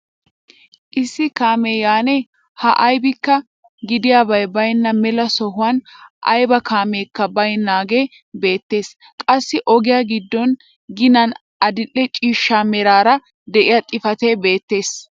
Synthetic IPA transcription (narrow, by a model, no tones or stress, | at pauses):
ʔɪsːɪkaːmeːjaːne | hɐʔɐjbɪkːɐ | ɡɪd̪ɪjaːbɐjbɐjnːɐmɛlɐsɔɦʊwɐnʔɐ̰jbɐkʰaːmeːkːɐbɐjnːaːɡe̞ | be̞ːt̪ːe̞ːs | kʼɐsːɪʔɔɡɪjaɡɪd̪ːɔn | ɡɪnɐn | ʔɐd̪ɪlːɛt͡ʃʼiːʃːaːmɛɾaːɾɐ | d̪ɛʔɪjat̪ʼɪfɐt̪eːbe̞ːt̪ːe̞ːs